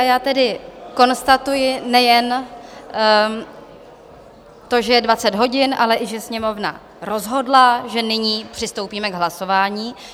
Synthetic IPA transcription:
jaːt̪ɛdɪko̞nst̪at̪ujɪnɛjɛn | t̪o̞ʒɛjɛdvat͡sɛd̪ɦo̞ɟɪnʔa̰lɛʔɪʒɛsɲɛmo̞vna̰ | ɾo̞zɦo̞dlaʒɛnɪɲiːpr̥ɪst̪owpiːmɛɡɦlaso̞vaːɲiː

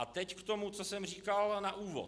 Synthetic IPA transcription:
ʔat̪ɛckt̪o̞mut͡so̞sɛmr̝iːkalnaʔuːvo̰

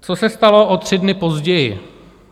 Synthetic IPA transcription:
t͡sosɛst̪alo̞ʔot̪r̝̥ɪdnɪpo̞zɟɛjɪ̰

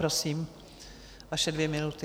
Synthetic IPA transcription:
ɾosiːm | ʔaʃɛdvjɛmɪnut̪ɪ

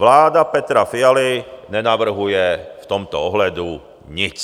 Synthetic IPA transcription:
ʋlaːd̪apɛt̪ɾafialiɲɛnaʋr̩ɦujɛft̪ɔmt̪ɔɔɦlad̪u | ɲit͡s

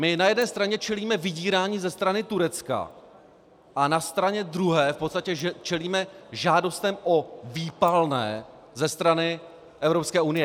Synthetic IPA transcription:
mɪnajɛdnɛːst̪ɾaɲɛt͡ʃɛliːmɛvɪɟiːɾaːɲiːzɛst̪ɾanɪt̪uɾɛt͡ska̰ | ʔanast̪ɾaɲɛd̪ɾuɦɛːfpot̪st̪acɛt͡ʃɛliːmɛʒaːdo̞st̪ɛmʔoviːpalnɛ̰ː | zɛst̪ɾanɪ | ʔɛvɾopskɛːunɪjɛ

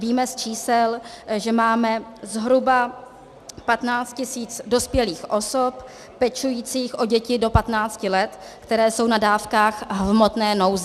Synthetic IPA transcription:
viːmɛst͡ʃiːsɛlʒɛmaːmɛzɦɾuba | pat̪naːt͡st̪̚cɪsiːt͡sdo̞spjɛliːxʔo̞so̞p | pɛt͡ʃujiːt͡siːxʔo̞ɟɛcɪdo̞pat̪naːt͡scɪlɛt̪ | kt̪ɛɾɛːso̞wnadaːfkaːxɦvmot̪nɛːno̞wzɛ

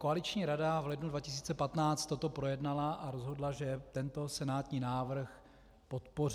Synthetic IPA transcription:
koalɪt͡ʃɲiːɾadavlɛdnudvacɪs̬iːt͡sɛpat̪naːt͡st̪ːot̪o̞pɾo̞jɛdnalaʔaɾozɦo̞dlaʒɛt̪ɛnt̪o̞sɛnaːt̪ɲiːnaːvr̩x | po̞t̪po̞r

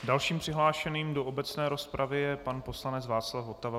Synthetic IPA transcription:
dalʃiːmpr̥ɪɦlaːʃɛniːmdoʔobɛt͡snɛːɾo̞spɾʔavɪjɛpanpo̞slanɛt͡svaːt͡slafɦo̞t̪ava

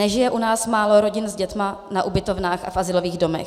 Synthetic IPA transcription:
ɛʒɪjɛʔunaːsmaːlo̞ɾo̞ɟɪnzɟɛt̪manaʔubɪt̪o̞vnaːxa̰fʔazɪloviːɣdo̞mɛ̰x

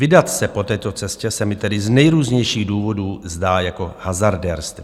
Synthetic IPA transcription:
vɪdat̪sɛpo̞t̪ɛːt̪o̞t͡sɛscɛsɛmɪt̪ɛdɪznɛjɾuːzɲɛjʃiːɣduːvo̞duːzdaːjako̞hazaɾdɛɾst̪

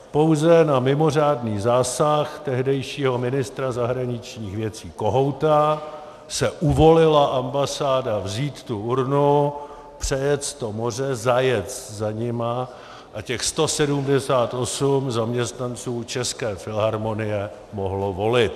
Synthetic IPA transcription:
po̞wzɛnamɪmo̞r̝aːdniːzaːsaxt̪ɛɦdɛjʃiːɦomɪnɪst̪ɾazaɦɾaɲɪt͡ʃɲiːxvjɛt͡siːko̞ɦo̞wt̪a | sɛʔuvolɪlaʔambasaːdavziːt̪t̪uʔuɾnu | pr̥ɛjɛt͡st̪omo̞r̝ɛzajɛt͡st̪zaɲɪma | ʔacɛxst̪o̞sɛdumdɛsaːt̪ʔo̞sumzamɲɛst̪nant͡suːt͡ʃɛskɛːfɪlɦaɾmo̞nɪjɛ | moɦlovo̞lɪt̪

